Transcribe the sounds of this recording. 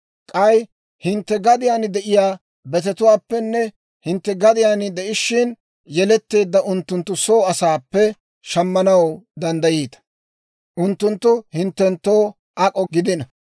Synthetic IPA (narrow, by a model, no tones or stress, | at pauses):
kʼɐj | hɪnt̪ːɛɡɐd̪ɪjaːnɪd̪ɛʔɪjaː | bɛt̪ɛt̪ʊwaːpːɛnːɛ | hɪnt̪ːɛɡɐd̪ɪjaːnɪd̪ɛʔɪʃːɪn | jɛlɛt̪ːe̞ːd̪ːɐʔʊnt̪ːʊnt̪ːʊso̞ːɐsaːpːɛ | ʃɐmːɐnɐwd̪ɐnd̪ɐjiːt̪ɐ̥ | ʔʊnt̪ːʊnt̪ːʊhɪnt̪ːɛnt̪ːo̞ː | ʔɐkʼɔɡɪd̪ɪnɐ